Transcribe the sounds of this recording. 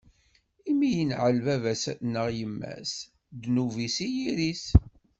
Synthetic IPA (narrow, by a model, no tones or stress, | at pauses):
imːijənʕəlvævæsæθnːəʁjəmːæ̰s | d̪nuvisijiɾis